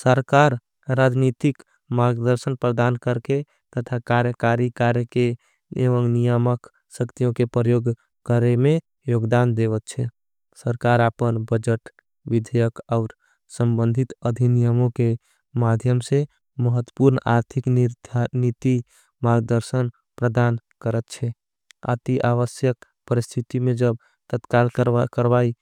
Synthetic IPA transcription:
səɾkaɾ | ɾad͡ʒnit̪ik | maɡd̪əɾsənpɾəd̪ankəɾke | t̪ət̪ʰakaɾjəkaɾikaɾjəke | eʋəŋnijəmək | səkt̪ijõkepɾəjoɡ | kəɾeme | joɡd̪and̪eβət̪t͡ʃʰɛ | səɾkaɾapənbəd͡ʒəʈ | ʋid̪ʱəjəkaʊɾ | səmbənd̪ʱit̪əd̪ʱinijəmõke | mad̪ʱjəmse | məɦət̪wəpuɾnaɾt̪ʰiknid̪ʱnit̪i | maɡd̪əɾsən | pɾəd̪ankəɾət̪t͡ʃʰɛ | a̰t̪iʔaʋəsjək | pəɾist̪ʰit̪imed͡ʒəb̚ | t̪ət̪kalkəɾbai

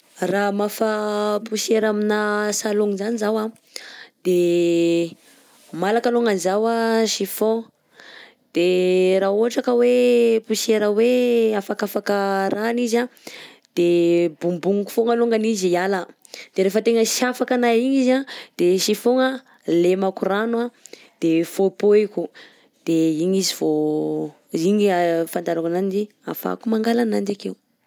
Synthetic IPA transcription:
ramafapuʃeɾaminasaloŋizanizawa | d̪̥e | malakaloŋanzawaʃifo | d̪̥eɾaoɦaʈ͡ʂakəwepuʃeɾaweafakafakəranizad̪̥ebumbuŋuku̥foŋəloŋɡanizialə | d̪̥eɾefət̪eŋəʃafakanaiɲizad̪̥eʃifoŋə | lemakuranwa | d̪̥efopoeku | d̪̥eiɲizivo | iɲifand̪aɾakananid͡ʒi | a̰fa̰kumaŋɡalanand͡ʒakew

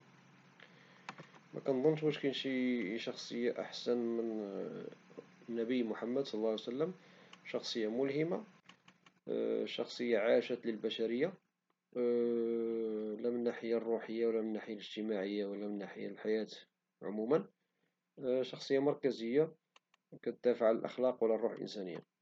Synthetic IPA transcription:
mʔæ̰kænd̪ˤnːʃbæʃkænʃiʃɑxsˤəjːaʔa̰ħsænmən | nːæbəjmʊħamːəd̪sˤɑllːɑsəlːəmʃɑxsˤəjːamʊlhəma | ʃɑxsˤəjːaʕaʃæt̪ləlbæʃæɾəjːa | læmənːaħəjarˤːuħəjːawlːæmənːaħəjaləʒt̪əmaʕəjːawəlːæmənːaħəjːa̰lħajæt̪ | ʕʊ̰mumən | ʃɑxsˤəjːamɑɾˤkæzəjːa | kæt̪əd̪æfəʕaləlʔɑ̰xlɑqwəlːærˤːuħlʔə̰nsænə̰jːa̰

